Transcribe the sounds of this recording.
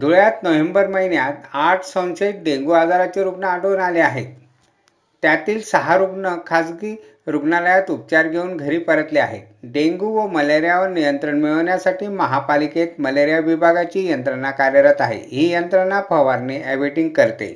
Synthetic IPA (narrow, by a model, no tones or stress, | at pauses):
d̪ʱuɭjat̪nəʋembəɾməɦinjat̪aʈʰsənɕeʈ̚ɖeŋɡuad͡zaɾat͡ɕeɾuɡnaəʈəʋnaleaɦet̪ː | jat̪iːlsəɦaɾuɡnəkʰasɡiː | ɾuɡnaləjat̪up̚t͡ɕaɾɡʱeuːnɡʱəɾiːpəɾət̪lea̰ɦḛt̪ɖeŋɡuʋəməleɾjaʋəɾnijənt̪ɾəɳmiɭəʋnjasaʈiːməɦapaliket̪məleɾjaʋibʱaɡat͡ɕiːjənt̪ɾənakaɾjəɾat̪aɦḛɦiːjənt̪ɾənapʰəʋaɾneɛbiʈiŋɡ̚kəɾt̪ḛ